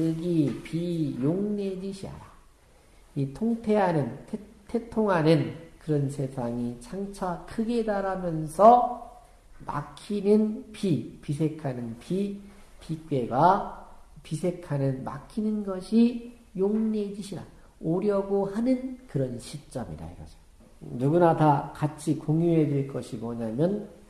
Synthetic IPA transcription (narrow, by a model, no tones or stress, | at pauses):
ɯɡipijoŋne̞d͡ʑiɕʰia̰ɾa | itʰoŋtʰe̞ɦanɯntʰtʰe̞tʰoŋɦanɯnkɯɾʌnsʰe̞sʰaŋit͡ɕʰaŋt͡ɕʰakʰɯɡe̞daɾamjʌnsʰʌ | ma̰kʰinɯnpipisʰe̞kʰanɯnpʰi | pik͈e̞ɡa | pisʰe̞kʰanɯnma̰kʰinɯnɡʌɕʰi | joŋne̞d͡ʑiɕʰiɾa̰ | oɾjʌɡohanɯnkɯɾʌnɕʰit͡ɕ͈ʌmḭɾa̰iɡa̰d͡ʑo̥ | nuɡunatakat͡ɕʰikoŋjuɦedweɭk͈ʌɕʰimʌɲamjʌn